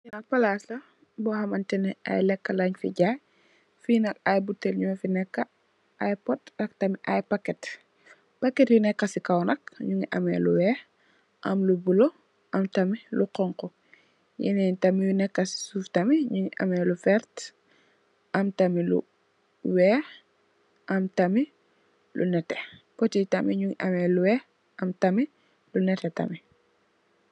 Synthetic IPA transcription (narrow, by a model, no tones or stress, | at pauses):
ɲnɐpɐlaːslɐ | bɔhɐmɐntɛnɛʔa̰jlɛkːɐlaɲfḭɟaj | finɐkajbutːɛlɲuŋɐfinɛkːɐ | ajpɔt̚ɐk̚tɐmiʔajpɐkːɛt | pɐkːɛtjunɛkːɐsikɐwnɐk̚ɲuŋiʔɐmɛ̰lṵwɛːx | ʔɐmlubulo | ʔɐmtɐmiluqɔŋkɔ | jḭnɛntɐmijunɛkːɐsi̥suːftɐmiɲuŋiʔɐ̰mɛlufɛɾt | ɐmtɐmilṵ | wɛːx | ʔɐmtɐmi | lṵnɛtɛpɔtitɐmiɲuŋiʔɐmɛluwɛːx | ɐmtɐmi | lunɛtɛtɐ̰mi